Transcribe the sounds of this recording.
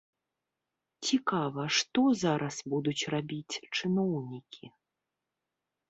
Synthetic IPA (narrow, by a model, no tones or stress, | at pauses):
t͡sʲikavɐʂt̪ɔzaɾʔɐsbud̪ut͡sʲrabʲit͡sʲt͡ʂɨnɔwnʲikʲʰi